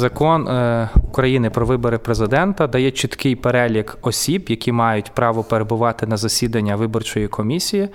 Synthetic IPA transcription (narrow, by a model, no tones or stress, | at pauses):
zɐkɔnukɾɐjinɪpɾɔʋɪbɔɾɪpɾezɪd̪ɛnt̪ɐd̪ɐjɛt͡ʃit̪kɪjpeɾɛlʲikɔsʲibjɐkʲimɑjʊtʲpɾɑʋɔpeɾe̞bʊʋɑt̪ɪnɐzɐsʲid̪ɐnʲːɐʋɪbɔrt͡ʃɔjikʰɔmʲisʲiji